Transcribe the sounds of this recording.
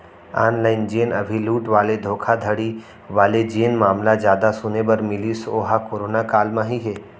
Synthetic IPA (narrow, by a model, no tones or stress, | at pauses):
aːnlaːɪnd͡ʒeːnɐ̰bʱiluːʈʋaːled̪ʱoːkʰad̪ʱəɽi | ʋaːled͡ʒeːnmaːmlad͡ʒjaːd̪asʊnebɐɾmɪlisoːɦakoːɾoːnakaːlmãɦiɦɛː